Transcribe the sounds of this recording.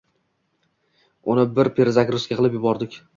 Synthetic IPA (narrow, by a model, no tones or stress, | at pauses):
ʊnɪbɪɾpʰe̞ɾzakʲɾʊskʲaqʰɨlˠɪpjʊbɒɾd̪ɪkʲ